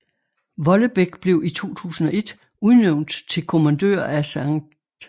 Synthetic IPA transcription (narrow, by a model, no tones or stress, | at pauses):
ʋɒ̽ləb̥eɡ̥b̥le̝ʊit͡sʰo̝̰ːt͡sʰṵːsn̩ɒ̽e̝d̥ | uðˠneʊnd̥t͡sʰe̝lkʰo̝mænd̥ø̰ːɐæsɑŋ̥